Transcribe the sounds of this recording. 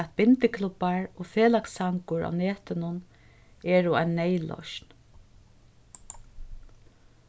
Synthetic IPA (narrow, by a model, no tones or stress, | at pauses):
æt̪̚bɪnt̪ɪkʰlʊpːaɹoːfeːlaksaŋkʊɹʔa̰ːneːt̪ɪnʊn | ɛːɹʊa̰jnːɛjlɔ̰ʃn